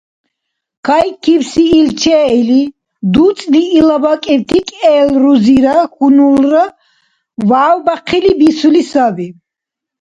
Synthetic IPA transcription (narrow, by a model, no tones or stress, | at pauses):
kʰajkʰiwsiːlt͡ʃʰɛɛli | d̪ut͡sʼliːlabakʼɛwt̪ʰikʼɛːlɾuziɾaxunulɾa | vaːwbaqʰilibisulisavi